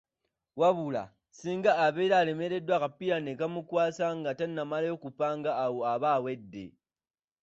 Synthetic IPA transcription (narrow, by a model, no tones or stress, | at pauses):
waβula̰ | siːŋɡaːβeːɾaːle̞me̞ɾe̞dwakapijanekamukwaːsaŋɡatannːamalajo̞ːkupaːŋɡaːwo̞aβaːwe̞dːe̞̰